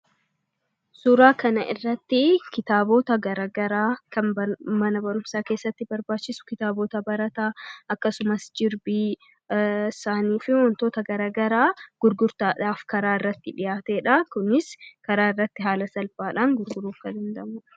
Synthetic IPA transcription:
suːɾaːkɐnɐʔɪ̰rːɐt̪ːɪkɪt̪aːboːt̪ɐɡɐɾaːɡɐɾaːkɐnbmɐnɐbɐɾʊmsaːke̞ːsːɐt̪ːɪbɐɾbaːt͡ʃːɪsʊ̥kɪt̪aːboːt̪ɐbɐɾɐt̪aːɐkːɐsʊmɐsd͡ʒɪɾbiː | saːniːfɪwɔnt̪o̞ːt̪ɐɡɐɾaːɡɐɾaːɡ̥ʊɾɡʊɾt̪aːᶑaːfkɐɾaːɪrːɐt̪ːɪᶑɪjaːt̪eːᶑɐkʊnɪskɐɾaːɪrːɐt̪ːɪɦaːlɐsɐlbaːᶑaːŋɡʊɾɡʊɾuːfkɐnhɪnd̪ɐmʊᶑɐ̥

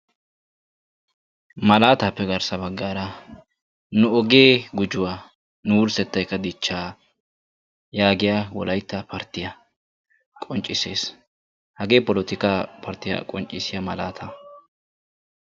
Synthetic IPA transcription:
mɐlaːt̪aːpːɛɡɐɾsɐbɐɡːaːɾɐ | nʊɔɡe̞ːɡʊd͡ʒʊwaː | nʊwʊɾsɛt̪ːɐjkːɐd̪ɪt͡ʃːaː | jaːɡɪjaːwɔ̰lɐjt̪ːɐpʰɐɾt̪ɪjɐ | kʼɔnt͡ʃʼːɪse̞ːs | hɐɡe̞ːpɔlɔt̪ɪkapʰɐɾt̪ɪja̰kʼɔnt͡ʃʼːɪsɪjamɐlaːt̪ʰa

